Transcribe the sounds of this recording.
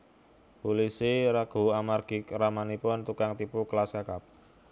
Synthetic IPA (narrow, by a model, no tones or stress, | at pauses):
pulisiɾaɡ̥o̤amarɡ̥i̤kɾamanipʊnt̪ukaŋt̪ipuklaskakap̚